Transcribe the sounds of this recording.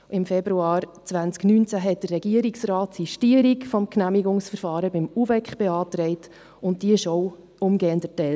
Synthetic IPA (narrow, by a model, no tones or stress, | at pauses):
ʔɪmfɛbɾuɑːɾt͡sʋænt͡sknyːnt͡sæɦɛt̚d̥ərːɛɡiəɾiksrɑːt̪siʃtiəɾikfɔmknæmiɡʊŋsfəɾfɑːɾəbɪmuvɛkχb̥eɑːtɾɛɪt | ʊnt̚d̥iəɪʃɔw | ʊmɡɛːəndətɛl